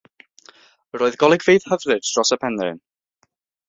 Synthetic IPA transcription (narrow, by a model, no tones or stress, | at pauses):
roːɨðɡɔlˠɪɡvejð̥həvrɨdd̥rɔsəpʰɛnrɪ̰n